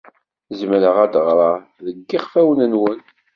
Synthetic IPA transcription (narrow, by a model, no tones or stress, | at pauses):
zmɾəʁæd̪əʁɾˤɑ | ðəɡːiʁfæwənənwən